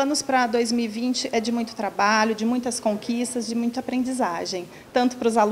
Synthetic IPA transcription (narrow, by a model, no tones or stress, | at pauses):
ɐ̃nʊspɾɐd̪ojzmiwivĩnt͡ʃɪʔɛd͡ʒɪmũj̃t̪ʊ̥t̪ɾabaʎʊd͡ʒɪmũj̃t̪ɐskõŋkʰist̪ɐzd͡ʒɪmũj̃t̪ɐapɾẽnd͡ʒizaʒẽj̃ | t̪ɐ̃nt̪ʊ̥pɾʊzal